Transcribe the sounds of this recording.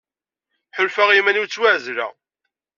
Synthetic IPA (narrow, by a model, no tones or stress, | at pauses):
ħʊlfæʁimænut͡sːwæʕzɾæ̰